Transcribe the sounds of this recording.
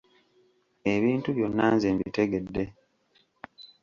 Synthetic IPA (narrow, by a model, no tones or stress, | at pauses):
e̞βiːntuβjo̞nːaːnzeːmbite̞ɡe̞dːe̞